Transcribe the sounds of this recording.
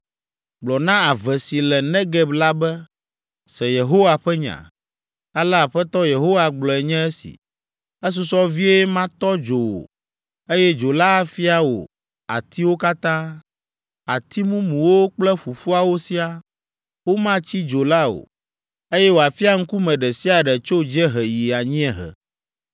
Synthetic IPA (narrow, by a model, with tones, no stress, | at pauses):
ɡ͡blɔ˨nã˦a˨vɛ˨si˨lɛ˨nɛ̃˦ɡɛ˦bla˦bɛ˦ | sɛ˨je˨ɦo˦wa˨ɸɛ˦ɲã̰˨ | a˦lɛ˦a˨ɸɛ˦t̪ɔ˦je˨ɦo˦wa˨ɡ͡blɔ˨ɛ˨ɲɛ̃˦ɛ˦sḭ˨ | ɛ˦s̬u˦sɔ˦vi˦e˦mã˦t̪ɔ˦d͡ʒo˨wo̰˨ | e˦jɛ˦d͡ʒo˨la˦fi˦a˨wo̰˨ | a̰˨t̪i˦wo˦ka˦t̪ã˦ | a˨t̪i˦mũ˦mũ˨wo˦k͡plɛ˦ɸu˨ɸu˦a˦wo˦si˦a˦ | wo˦mã˦t͡ɕi˦d͡ʒo˨la˦o̰˨ | e˦jɛ˦wo˨a˨fi˦a˦ŋ̩˦ku˦mɛ̃˨ɖɛ˨si˦a˨ɖɛ˨t͡ʃo˦d͡ʒɛ˦ɦɛ˨ji˨a˨ɲĩ˦ɛ˨ɦɛ̰˨